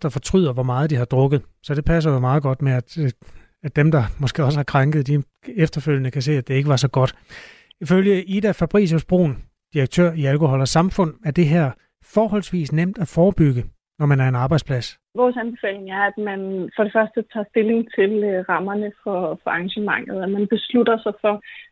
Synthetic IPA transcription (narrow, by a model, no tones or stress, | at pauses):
d̥ɑ̈fɒ̽t͡sʰʁyð̰ˠɐʋɒmɑ̈ːð̞̩ˠd̥ihɑ̈d̥ʁɔ̽ɡ̥ð̩ˠsɒ̽d̥e̝pʰæs̬ɐjomɑ̈ːð̞̩ˠɡ̥ɒ̽d̥meæd̥ | æ̥d̥emd̥ɑ̈mɒ̽sɡ̥e̝̰ːɒ̽səhɑ̈kʰʁɑ̈ŋɡ̥əð̩ˠd̥i | efd̥ɐføl̰jənəkʰæs̬e̝̰ːæd̥e̝e̝ɡ̥əʋɑ̈sɒ̽ɡ̥ɒ̽d̥ | iføljəʔid̥æfæb̥ʁḭːs̬osb̥ʁo̝̰ːn | d̥iʁɐɡ̥̚t͡sʰø̰ɐ̰iælkʰo̝ɦɒ̽lɐsɑ̈mfɔ̽n̰æɐd̥e̝ɦeɐ̰ | fɒːɦɒ̽lsʋḭːsnem̰d̥æfɒːb̥yɡ̥ə | nɒmænæɐe̝nɑ̈ːb̥ɑ̈ɪd̥spʰlæs | ʋɒːsænb̥e̝fɛ̰ːle̝ŋæɐæd̥mænfɒɾ̥e̝fɶɐsd̥ət͡sʰɑ̰̈ːsd̥e̝le̝ŋt͡sʰe̝lʁɑ̈mɐnəfɒfɒ̽ɑ̈ŋɕəmɑ̈ŋ̰ð̩ˠæmænb̥e̝slud̥ɐsɑɪfɒ̽